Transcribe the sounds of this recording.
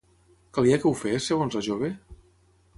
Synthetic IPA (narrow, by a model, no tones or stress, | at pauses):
kalˠiakeufesːəɣonzlaʒoβ̞e